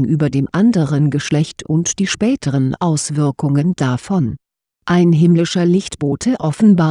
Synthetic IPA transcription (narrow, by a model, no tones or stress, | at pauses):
ŋʔyːbɐdeːmʔandəʁənɡəʃlɛçtʰʊntd̥iːʃpɛːtʰəʁənʔaʊsv̥ɪɐkʊŋənd̥afɔn | ʔaɪnɦɪmlɪʃɐlɪçtb̥oːtʰəʔɔfn̩baː